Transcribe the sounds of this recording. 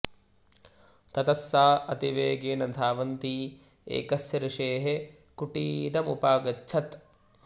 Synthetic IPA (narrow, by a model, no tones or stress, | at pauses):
t̪ɐt̪ɐsːaːɐt̪iʋeːɡeːnɐd̪ʱaːʋɐnt̪iː | ḛːkɐsjɐɾɐʃeːɦe | kuʈiːd̪ɐmupaːɡɐt͡ʃːt͡ʃʰɐt̪